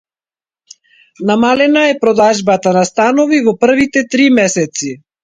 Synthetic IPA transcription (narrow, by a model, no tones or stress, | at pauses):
namalɛnaɛpɾɔd̪aʒbat̪anast̪anɔvivɔpr̩vit̪ɛt̪ɾimɛsɛt̪si